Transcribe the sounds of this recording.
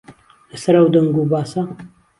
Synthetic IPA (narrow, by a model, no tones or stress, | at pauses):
ləsɐɾɐwd̪ɐŋɡuːbaːsɐ